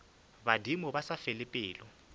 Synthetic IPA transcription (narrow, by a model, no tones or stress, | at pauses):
badimʊbasafɪlɪpʼɪːlɔ